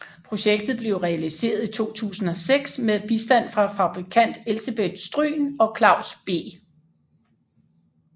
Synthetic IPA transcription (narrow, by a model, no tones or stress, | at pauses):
pʰʁo̝ɕeɡ̥̚d̥ð̩ˠb̥le̝ʊʁɛælise̝̰ːɐð̞ˠit͡sʰo̝̰ːt͡sʰṵːsn̩ɒ̽seɡ̥smeðˠb̥isd̥æn̰fʁɑ̈fɑ̈b̥ʁikʰæn̰d̥e̝lseb̥ed̥sd̥ʁy̰ːnɒ̽kʰlɑ̈ʊ̰sb̥e̝̰ː